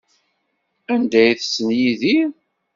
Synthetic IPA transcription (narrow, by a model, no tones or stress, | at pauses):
ænd̪æjθsːənjiði